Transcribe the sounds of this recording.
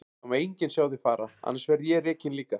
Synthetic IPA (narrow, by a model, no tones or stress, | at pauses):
umejɲcɪnsjaːwðɪfaːɾaa̰nːasvɛɾðjɛɾɛːcɪnliːka